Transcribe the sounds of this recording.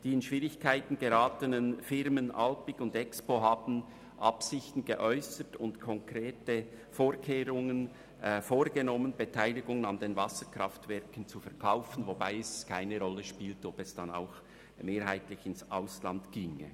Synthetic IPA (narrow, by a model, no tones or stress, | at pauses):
d̥iːɪnʃv̥iːʁɪçkʰaɪtn̩ɡəɾaːtənənfɪɾmənʔɑ̰lpɪɡʊndɛkspoɦɑːbn̩ | ʔɑpsɪçtn̩ɡəʔɔʏsətʊntkʰɔŋkɾeːtə | foːɾkʰeːɾʊŋən | foːɾɡ̥ənɔmənbetʰaɪlɪɡʊŋənɑndenvɑsəkʁ̥ɑftvɛɾkən̩t͡sufɛʁkʰaʊfən̩vobaɪɛskʰaɪnəʁɔlːəʃpiːltɔbɛsd̥ɑna̰ʊx | meːɾɦaɪtlɪçɪnsʔaʊslɑntɡ̥iːŋə̰